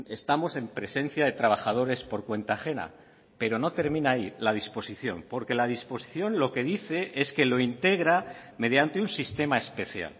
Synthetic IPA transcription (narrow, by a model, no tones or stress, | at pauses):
e̞st̪amo̞se̞mpɾe̞se̞nθjaðe̞t̪ɾaβ̞axað̞o̞ɾe̞spo̞ɾkwe̞nt̪axe̞na̰ | pe̞ɾo̞no̞t̪e̞ɾmĩnailaðispo̞siθjo̞̰mpo̞ɾke̞laðispo̞si̥θjõ̞nlo̞ke̞ðiθe̞ʔe̞ske̞lo̞int̪e̞ɣɾame̞ðjant̪e̞unsist̪e̞mae̞spe̞θja̰l